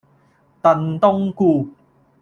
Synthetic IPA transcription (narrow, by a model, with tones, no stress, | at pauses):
t̪ɐ˧nt̪ʊ˥ŋkuː˧